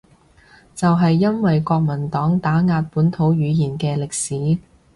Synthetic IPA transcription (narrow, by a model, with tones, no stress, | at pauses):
t͡sɐ˨wɦɐ˨jːɐ˥nwɐ˨jkɔː˧k̚mɐ˨˩nt̪ɔː˨˥ŋt̪aː˨˥ŋaː˧t̚puː˨˥nt̪ʰo˨˥wjɥyː˨˧jiː˨˩nkɛː˧lɪ˨k̚siː˨˥